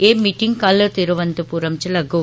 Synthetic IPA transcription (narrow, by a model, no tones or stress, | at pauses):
eːmiʈːiŋkɐlɐt̪ɪɾɯʋɐnd̪ɯpuɾɐmt͡ʃɪlɐɡo